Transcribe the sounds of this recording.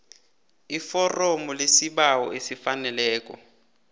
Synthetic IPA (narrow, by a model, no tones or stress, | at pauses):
ifɔrɔmɔlesibaɔʔesifanɛlɛːkʼɔ̰